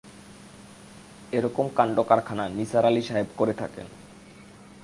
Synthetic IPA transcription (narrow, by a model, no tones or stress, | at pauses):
eɾɔkomkaɳɖokaɾkʰananisaɾaliʃaɦebkoɾet̪ʰa̰kḛn